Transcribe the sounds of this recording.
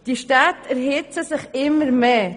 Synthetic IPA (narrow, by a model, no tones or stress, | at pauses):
d̥iʃtatʰɛɾɦɪt͡səsɪχɪmːəɾmeː